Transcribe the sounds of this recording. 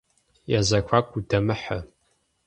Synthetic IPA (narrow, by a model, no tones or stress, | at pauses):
jazɐkʷʰakʷʼudɐmɨħə